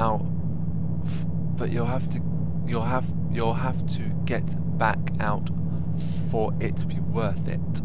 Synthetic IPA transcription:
aʊ | b̥ʌt͡ʃəlˠɦaftʰɨ | jəlˠɦaf | jəlˠɦaftʰɨ | ɡ̥ɛʔ | b̥ækʰ | aʊt | fə˞ʔɪtʰəbiwɜˑ˞θɪ̰t̚

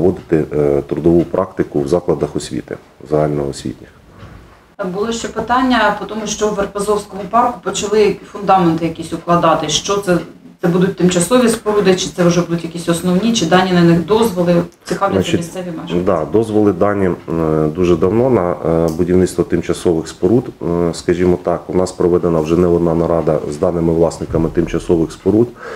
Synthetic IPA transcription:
ʋɔd̪ɪt̪ɪt̪ɾʊd̪ɔʋupɾʔɑkt̪ɪkʊwzɑklˠɐd̪ɐxɔsʲʋʲḭt̪ɪ̰ | zɐɦɑlʲnɐɔsʲʋʲḭtʲnʲɐ | bʊlˠɔʃt͡ʃɛpɪt̪ɑnʲːɐpɔt̪ɔmʊʃt͡ʃɔwʋerpɐzɔwsʲkɔmʊpɑrkʊpɔt͡ʃɐlˠɪfʊnd̪ɑment̪ɪjɐkʲisʲʊklˠɐd̪ɑt̪ɪʃt͡ʃɔt̪sɛ | t̪sɛbud̪ʊt̚ʲt̪ɪmt͡ʃɐsɔʋʲispɔɾud̪ɪt͡ʃɪ̥t̪sɛwʊʒɛbud̪ʊtʲjɐkʲisʲɔsnɔwnʲit͡ʃɪd̪ɑnʲːinɐnɪxd̪ɔzʋɔlˠɪt͡sʲɪkɑʋnʲlʲt͡ʃʲimisʲsɛʋʲimɛʃd̪ɑd̪ɔzʋɔlˠɪd̪ɑnʲːid̪uʒɛd̪ɐwnɔnɐbʊdʲiwnɪt̪t̪ʋɔt̪ɪmt͡ʃɐsɔʋɪxspɔɾud̪skɐʒʲimɔt̪ɑkʊnɑspɾɔʋɛd̪enɐwʒɛnɛɔd̪nɑnɐɾɑd̪ɐ̰zd̪ɑnɪmɪʋlˠɑsnɪkɐmɪt̪ɪmt͡ʃɐsɔʋɪxspɔɾud̪

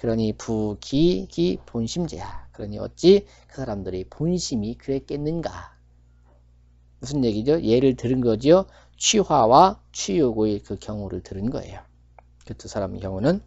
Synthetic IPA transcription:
kɯɾʌɲipuɡiɡiponɕʰimd͡ʑḛjakɯɾʌɲiʌ̰t̚t͡ɕ͈i | kɯ̥sʰaɾamdɯɾiponɕʰimikɯɾe̞k͈e̞nːɯnɡa̰ | musʰɯnje̞ɡid͡ʑoje̞ɾɯɭtɯɾɯnɡʌd͡ʑijo | t͡ɕʰwiwawat͡ɕʰijoɡoekɯkjʌŋuɾɯɭtɯɾɯnɡʌḛjo | kɯtʰosʰaɾamkjʌŋunɯn

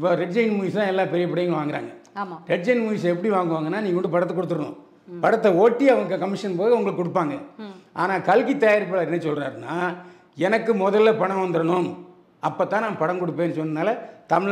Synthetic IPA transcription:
ɪpːoːɾɛʈd͡ʒɐɪnmuːjɪst̪ãːɛlːãːpɛɾɪjɐpɪɽɐjɐŋɡɐʋaːŋɡɪɾa̰ːŋɡɐːɾɛʈd͡ʒɐɪnmuːjɪsɛpːɐɽiʋaːŋɡɯʋaːŋɡɐnːaːniːŋɐkɔɳɖɯpɐɽɐt̪ːɐkɔɽɯt̪ːɯɾɐnʊ̰̃ | pɐɽɐt̪ːɐoːʈːiɐʋɐŋɡɐkɐmːɪʂɐnpoːjɐʋɐŋɡɐɭɯkːɔɽɯp̬ːaːŋɡɐʔaːnaːkɐlkit̪ːɐjaɾpːɐɭaːɾɪnːɐsɔlra̰ːɾɯnːaː | ɛnɐkːɯmɔðɐlːɐpɐɳɐʋɐnd̪ɯɾɐɳʊm | ɐpːoːt̪ːãːnãːpɐɽɐŋkɔɽɯpːeːnːɯsɔnːɐnaːlɐt̪ɐm

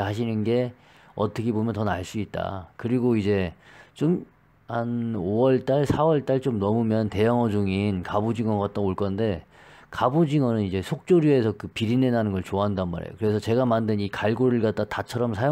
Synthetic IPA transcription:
ɦaɕ̬ʰinɯnɡe̞ | ʌ̰t͈ʰʌkʰebomjʌntʌnaɭs͈uit̚t͈a̰kɯɾiɡoid͡ʑe̞t͡ɕom | hanowʌɭt͈aɭsʰawʌɭt͈aɭt͡ɕomnʌmumjʌnte̞jʌŋʌd͡ʑuŋinkabud͡ʑiŋʌɡat̚t͈aoɭk͈ʌnde̞ | kabud͡ʑiŋwʌnɯnid͡ʑe̞sʰok̚t͡ɕ͈oɾjue̞sʰʌkɯpiɾinenanɯnɡʌɭt͡ɕoaɦandanma̰ɾḛjo̰kɯɾe̞sʰʌt͡ɕe̞ɡamandɯnikaɭɡoɾɯɭɡat̚t͈atat͡ɕʰʌɾʌmsʰajo

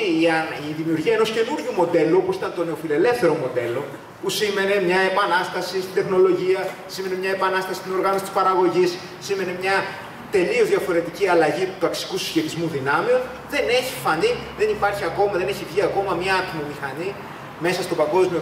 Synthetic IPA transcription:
iðimiuɾʝiɐeno̞sce̞nuɾʝumo̞d̪e̞looposi̥t̪ɐnt̪o̞ne̞o̞file̞le̞fθe̞ɾo̞mo̞d̪e̞lo̞ | pusime̞ne̞mɲɐe̞pɐnɐst̪ɐsist̪ind̪e̞xno̞lo̞ʝiɐ | sime̞ne̞mɲɐe̞pɐnɐst̪ɐsi̥st̪ino̞ɾɣɐno̞sit̪i̥spɐɾɐɣo̞ʝis | sime̞ne̞mɲɐ | t̪e̞liozðjɐfo̞ɾe̞t̪iciɐlɐʝit̪u̥t̪ɐksi̥kusi̥sçe̞t̪izmuðinɐmio̞n | ðe̞ne̞çifɐnd̪iðe̞nipɐɾçiɐko̞mɐðe̞neçivʝiɐko̞mɐmɲɐɐt̪imomixɐni | me̞sɐst̪o̞pɐŋɡo̞zmio

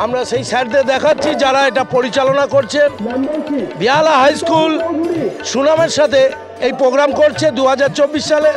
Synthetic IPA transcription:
amɾaʃejsɛʈ̚d̪eɾd̪ɛkʰatːɕʰid͡ʑaɾaeʈapoɾit͡ɕalonakoɾt͡ɕʰen | bialaɦajskul | ʃunameɾʃat̪ʰe | ejpɾoɡɾamkoɾt͡ɕʰed̪uɦad͡ʑaɾt͡ɕobːiʃʃale

